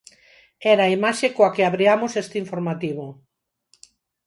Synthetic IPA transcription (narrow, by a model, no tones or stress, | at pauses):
ɛɾaimaʃekoakeaβɾiamosest̪ɪiɱfoɾmat̪iβo